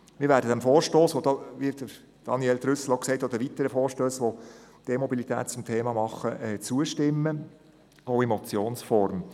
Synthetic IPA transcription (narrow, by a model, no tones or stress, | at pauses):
mɪːɾvʋæːɾdədæmfoːɾʃtoːsʋod̥̪ɑːʋid̥ə | d̥ɑniɛlt̪ɾʏsl̩oʊksɛɪtod̥̪əʋit̪əɾəfoːɾʃtøːsʋod̪̥eːmɔbilit̪ʰæ̰ːt̚t͡sʊmtʰeːmɑmɑχəʔɛt͡suəʃtɪmːə | oʊemɔt͡sjoːnsfɔɾm